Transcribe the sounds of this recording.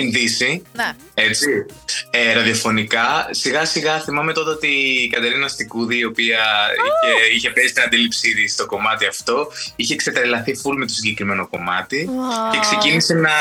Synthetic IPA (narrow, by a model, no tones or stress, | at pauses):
inðisi | e̞t͡sieɾɐðiofo̞nikɐsiɣɐsiɣɐθimɐme̞t̪o̞t̪ɐot̪ikɐt̪e̞ɾinɐst̪ikuðiːo̞piɐieiçe̞pe̞si̥t̪inɐnd̪ilipsiðist̪o̞ko̞mɐt̪iɐft̪o̞içeːkse̞t̪ɾelɐθifulme̞t̪osiɲɟe̞kɾime̞no̞ko̞mɐt̪ice̞kse̞cinise̞nɐ